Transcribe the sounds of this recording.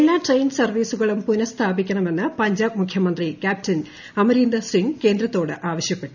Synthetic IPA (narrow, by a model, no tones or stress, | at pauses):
elːaːʈrejnsɐrʋiːsuɣɐɭumpunɐst̪ʰaːbikʲːɐɳɐme̞nːɨpɐɲd͡ʑaːbmukʰjɐmɐnd̪rikʲaːp̚tɐn | ɐmɐɾiːnd̪ɐsiŋke̞ːnd̪rɐt̪ːo̞ːɽɨʔaːʋɐɕjɐpːeʈːu